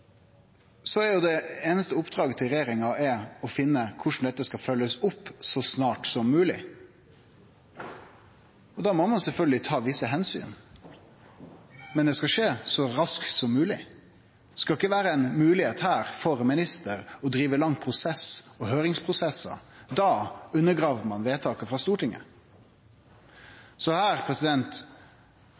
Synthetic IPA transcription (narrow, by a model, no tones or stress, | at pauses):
sɔæɾjʊd̪ɛeːnəst̪əʊpːd̪ɾɑːɡət̪ʰɪlɾɛjeːɾɪŋɑʔɛɔfɪnːəkʰʊʂn̩d̪ɛt̪ːəskɑfœlːəsʊpːsɔsnɑːʈsɔmːʉːlɪ̰ | ɔd̪ɑːmɔmɑnsɛlfœlɡəlɪt̪ʰɑːʋɪsːəɦɛnsy̰ːn | mɛnd̪ɛskɑʂeːsɔɾɑsk̪sɔmːʉːlɪ | skɑlɪkːəʋæːɾəɛnmʉːlɪheːt̪hæːɾfɔɾmɪnɪst̪əɾɔd̪ɾiːʋəlɑŋːpʰɾʊsɛsɔhøːɾɪŋspʰʁʊsɛsːə̰d̪ɑːʉnːəɡʁɑːʋəmɑnʋeːt̪ʰɑːkəfɾɑst̪uːʈɪŋːə̰ | sɔhæːɾpʰɾɛsɪd̪ɛnt̪